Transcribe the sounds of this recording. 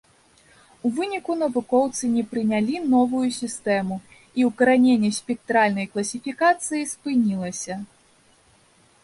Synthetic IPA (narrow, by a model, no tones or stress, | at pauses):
uvɨnʲikunɐvukɔwt̪sɨnʲɛpɾɨnʲalʲinɔvujusʲist̪ɛmu | iwkɐɾanʲenʲːɛsʲpʲɛk̚t̪ɾalʲnɐjklˠɐsʲifʲikat̪sɨjispɨnʲilˠɐsʲɐ